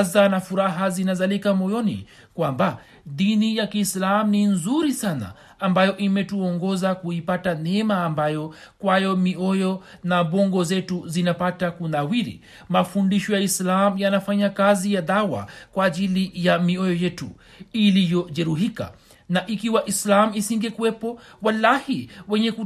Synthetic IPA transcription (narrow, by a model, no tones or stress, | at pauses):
zanafuɾaɦazinazalikamɔjɔnḭ | kwamba | ðinijakiːslamuninzuɾisana̰ː | mbajɔʔimɛtuɔŋɡɔzakuipatanɛmaːmbajɔ | kwajɔmiɔjɔnaɓɔŋɡɔzɛtuzinapatakunawiɾḭ | mafundiʃɔjaislamujanafaɲakazijaðawa̰kwaːʄilijamiɔjɔjɛtu | ilijɔʄɛɾuɦika̰ | naʔikiwaʔislamuisiŋɡɛkuwɛpɔwalahiwɛɲɛku